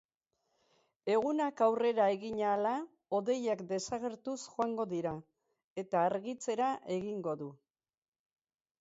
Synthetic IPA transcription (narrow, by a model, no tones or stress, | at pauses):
e̞ɣunakawre̞ɾae̞ɣiɲaːla | o̞ðe̞jakd̪e̞saɣe̞ɾt̪usxoaŋɡo̞ðiɾa | e̞t̪aːɾɣit͡se̞ɾaʔe̞ɣiŋɡo̞ðu